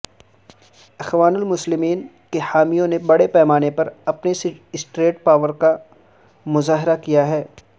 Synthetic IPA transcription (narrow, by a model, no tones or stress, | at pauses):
ɐxʋaːnʊlmʊslɪmiːn | kehaːmijõnebɐɽepɛːmaːnepɐɾɐpneɪsʈɾeːʈ̚paːʋəɾka | mʊzaːɦɪɾakijaɦɛː